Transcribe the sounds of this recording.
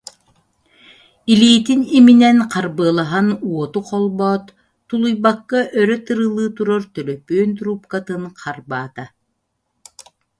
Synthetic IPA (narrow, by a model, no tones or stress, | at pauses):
iliːt̪iniminɛnqaɾbɯːlˠaɦanuɔt̪uqɔlˠbɔːt̪ː | ulˠujbakːaʔœɾœt̪ɯɾɯlˠɯːt̪uɾɔɾt̪œlœpøːnt̪ɾupkat̪ɯnqʰaɾbaːt̪a